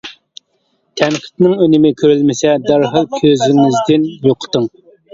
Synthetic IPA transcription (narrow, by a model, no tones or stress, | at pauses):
t̪ʰɛmqʰə̥t̪nɪŋønɪmɪkʲʰøɾylmɪsɛd̪ɑɾɦɑlˠkʲʰøzɪŋɪzd̪ɪnjoqʰə̥t̪ɨŋ